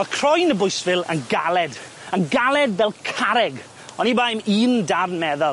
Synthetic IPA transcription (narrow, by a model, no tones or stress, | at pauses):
ɔkʰr̥ɔjnəbʊjsvɪlˠə̰nɡalˠɛd | ənɡalˠɛdvɛlˠkʰaɾɛɡ | ɔnibajmiːndarnmɛðɔ